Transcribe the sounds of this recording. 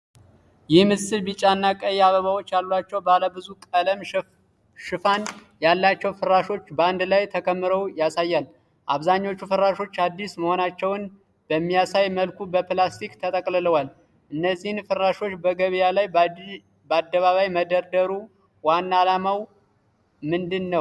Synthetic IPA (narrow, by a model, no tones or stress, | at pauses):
jɪhmɨsɨlbit͡ʃʼanːakʼəjːaβəβawot͡ʃːjalːulat͡ʃːɛwbaləbɨzukʼələm | ʃɨfan | jalːat͡ʃːɛwfɨɾaʃo̞t͡ʃːbəand̪lajt̪ʰəkʰəmːɨɾəwjasajːal | ʔaβzaɲːo̞t͡ʃːufɨɾːaʃo̞t͡ʃːad̪ːisməho̞nat͡ʃːɛwn | b̥əmːijasajməlkubəplast̪ʰikt̪ʰət̪ʼəkʼlɨləwal | ʔɨnːəzːihɨnfɨrːaʃo̞t͡ʃːbəɡəβjalaj | bəad̪ːəβaβajməd̪əɾd̪əɾu | wanːalamaw | mɨnd̪ɨnːəw